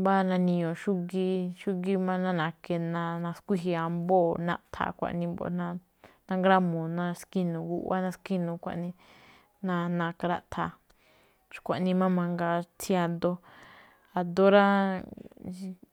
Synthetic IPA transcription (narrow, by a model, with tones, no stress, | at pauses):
ba˦˧nã˧nĩ˧ɲõ˨ʃu˦ɡi˧ʃu˦ɡi˧mã˦nã˦nã˨˧ke˧nã˧nã˧skʷi˦ɦi˧a˧mbo˦˨nã˦ʔt̪ʰa̰˨kʷa̰˨ʔnĩ˧bo̰˧nã˧ | nã˦ŋɡɾa˦mũ˨nã˧ski˦nũ˨ɡu˧˦ʔa˦nã˧ski˦nũ˧˨kʷa̰˧ʔnĩ˧ | nã˧nã˧ka˧ɾa˧ʔt̪ʰa˨ | ʃkʷa˨ʔnĩ˧mã˦mã˧ŋɡa˧t͡sʰi˦a˧d̪o˧ | a˨d̪o˦ɾa˦˧